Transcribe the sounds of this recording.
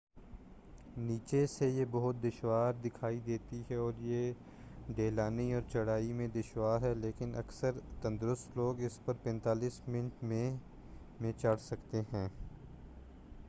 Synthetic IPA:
niːt͡ʃesejebɐɦʊt̪̚d̪ɪʃwaːɾd̪ɪkʰaːid̪eːt̪iɦɛɔːɾje | ɖeːlaːniɔːɾt͡ʃɐɽaːimẽd̪ɪʃwaːɾɦɛleːkɪnɐ̰ksəɾt̪ɐ̃nd̪ɾʊst̪loːɡɪspɐɾpɛ̃ːnt̪aːliːsmɪ̃nʈmẽ | mẽt͡ʃɐɽ̤sɐkt̪eɦɛ̃ː

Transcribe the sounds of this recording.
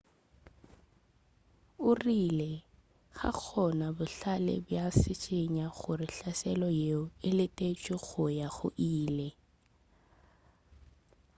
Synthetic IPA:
ʊrilɛ | ɣa̰k͡xʰɔnabʊɬalɛ̰bjasɪt͡ʃʼɪɲaɣʊrɪɬasɛlɔjeʊɪlɪtʼet͡ʃʼɪɣʊjaɣʊ̰ʔiːlɛ

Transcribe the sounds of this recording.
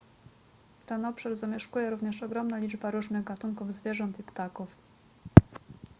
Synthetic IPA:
ft̪ɛnɔpʂaɾzamʲjɛʂkujɛɾuvɲɛʂɔɡɾɔmnalʲid͡ʐbaɾuʐnɘɣɡat̪uŋkuvzvʲjɛʐɔnt̪ipt̪akuf

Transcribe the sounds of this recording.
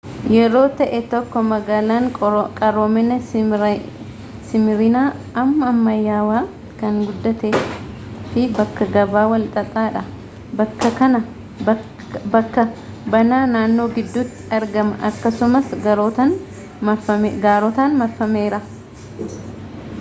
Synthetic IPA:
jɛɾo̞ːt̪ɐʔɛt̪ɔkːɔmɐɡaːlaːŋʼkʼɐɾoːmɛnɐ | sɪmɪɾɪnaː | ɐmːɐːmːɐjːaːwaː | kɐŋɡʊd̪ːɐt̪eː | fɪbɐkːɐɡɐbaːwɐlt̪ʼɐt̪ʼaːᶑɐ | ɐkːɐkɐnɐ | bɐ | bɐkːɐ | bɐnaːnaːnːo̞ːɡɪd̪ːʊt̪ːɪ̥ɐɾɡɐmɐʔɐkːɐsʊmɐsɡɐɾoːt̪ɐn | ɐɐmɡaːɾɔt̪aːnmɐfːɐmeːɾɐ

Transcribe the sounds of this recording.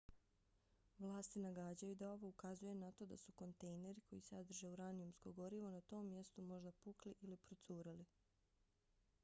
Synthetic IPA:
ʋlˠaːst̪inaɡaːd͡ʑajud̪ao̞ʋo̞ukazuje̞nat̪o̞ːd̪a̰suko̞nt̪ejne̞ɾikʰo̞jisad̪r̩ʒeuɾaniumskoɡo̞ɾiʋonat̪o̞ːmːje̞st̪umo̞ʒd̪apukliʔilipɾot̪suːɾali

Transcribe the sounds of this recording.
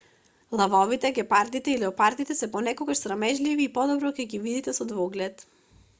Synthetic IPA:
lˠavɔvit̪ɛɡɛpaɾd̪it̪ɛilɛɔpaɾd̪it̪ɛsɛpɔnɛkoɡaʃsɾamɛʒliviːpɔd̪ɔbɾɔkɛɡivid̪it̪ɛsɔd̪vɔɡlɛt̪

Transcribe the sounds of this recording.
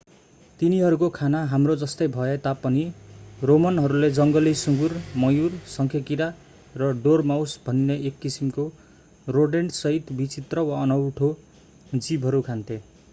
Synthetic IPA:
t̪iniɦʌɾukokʰanaɦamrod͡zʌst̪ʌjbʱʌet̪apʌniromʌnɦʌɾuled͡zʌŋɡʌlisuŋɡurmʌjursʌŋkʰjʌkiɾa | rʌɖormawsbʱʌnːeʔekːisimko | roɖeɳɖsʌɦit̪bit͡sit̪rʌwaʌnʌwʈʰo | d͡zibʱɦʌɾukʰant̪ʰe

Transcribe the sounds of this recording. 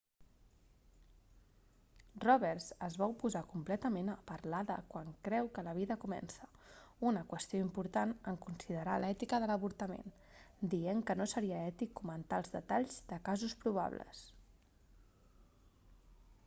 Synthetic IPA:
rɔβɛɾzəzβaupuzakumplɛt̪əmenəpəɾlaðə̰kwaŋkɾɛwkələβ̞iðəkumɛ̰nsəunəkwəst̪ijoimpuɾt̪anəŋkunsiðəɾalɛt̪ikəðələβuɾt̪əmḛn | d̪ieŋkənosəɾiəɛt̪ikːumənt̪alˠzðət̪aʎzd̪əkazuspɾuβ̞a̰βlə̰s

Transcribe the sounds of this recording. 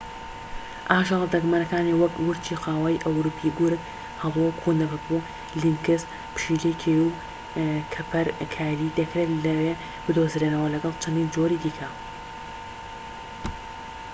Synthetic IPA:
ʔaːʃɐlˠd̪ɐɡmanɐkaːniwɐkwʊɾt͡ʃʰiqʰaːwaːjʔɐwɾuːpʰiɡuɾɨk | hɐluɐkʰund̪ɐbɐkbu | liŋkɨs | pɨ̥ʃiːlejkʰejuw | kʰɐpʰɐɾkʰaːɾid̪ɐkɾet̪lɐweː | b̥ɨd̪ozɾenɐwɐlɐɡɐlˠt͡ʃʰɐnd̪iːnd͡ʒoɾiːd̪iːkʰɐ

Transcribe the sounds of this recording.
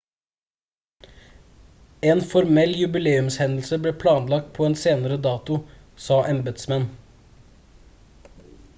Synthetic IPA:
eːnfɔɾmɛljʉbɪleːʉmshɛnl̩səbleːpʰlɑːnlɑk̚t̪̚pʰoːeːnseːnəɾəd̪ɑːt̪ʊ | sɑːʔɛmbəd̪smɛn

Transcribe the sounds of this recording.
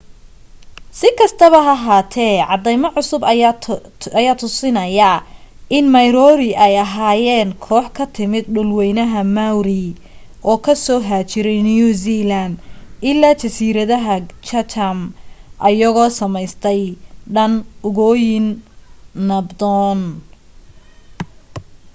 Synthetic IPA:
sɪkʰɐst̪ʰɐβɐɦɐɦaːt̪ʰɛːʕɑd̪ɛjmɐʕʊsʊb | ɐjaːt̪ʰʊsɪnɐjɐʔɪnmɐjɾɔːɾɪʔɛjɐɦaːjɛːŋkʰɔːħkʰɐt̪ʰɪmɪd̪̚ɖʊlwɛjnɐɦɐmawɾi | ʔɔːkʰɐsɔːɦaːt͡ʃɪɾɛjnijusiland̪ɪlːaːt͡ʃɐsiːɾɐðɐɦɐt͡ʃɐt̪ʰɐmʔɐjɐɣɔːsɐmɛjst̪ʰɛjɖɐnʊɣɔːjɪnː | ɐbd̪ɔn

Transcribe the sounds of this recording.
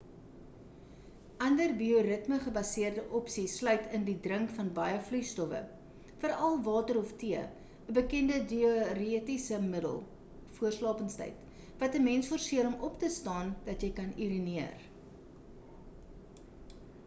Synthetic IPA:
ʔɐndərbioɾətməχəbɐsiərdəʔɔpsislœɥtʰəndidrəŋkfɐnbɐjəflystɔfə̰ | fəɾɐlˠvɑːtəɾɔftiə | əbəkɛndədioritisəmədə̰lˠ | fuərslɑːpənstɛ̰jt | vɐtəmɛnsfɔrsiəɾɔmɔptəstɑːndɐtjəjkɐniɾiniər

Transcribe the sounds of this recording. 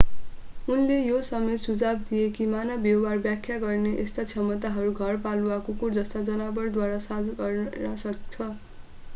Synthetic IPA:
unlejosʌmesud͡zab̚d̪ijekimanʌbjʌɦarbjakʰjaɡʌrneʔest̪at͡sʰʌmʌt̪aɦʌɾuɡʱʌrpaluakukurd͡zʌst̪ad͡zʌnabʌrd̪waɾasad͡zɡʌrnasʌkt͡sʰʌ

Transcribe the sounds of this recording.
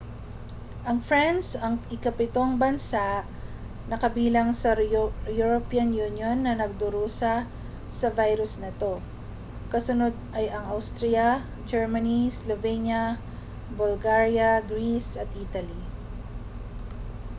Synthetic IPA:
ʔɐŋfɹɛnsɐŋɪkɐpɪt̪o̞ŋbɐnsaʔ | nɐkɐbiːlɐŋsɐjuɹopiːɐnjunjonːɐnɐɡ̚d̪ʊɾuːsɐ | sɐvajɾʊsnɐt̪o̞ | kɐsʊnod̪̚ɐjɐŋʔawst̪ɾijɐ | d͡ʒɛɹmɐnislovɛnjɐ | bʊlɡaɹjɐɡɾisɐt̪̚ʔit̪ɐli

